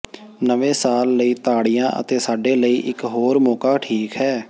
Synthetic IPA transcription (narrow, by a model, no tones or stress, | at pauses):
nəʋẽːsaːlːəiːt̪aːɽijãːʔə̰t̪eːsaːɖeːləiːʔɪkɦoːɾmɔːkaːʈʰiːkɦɛː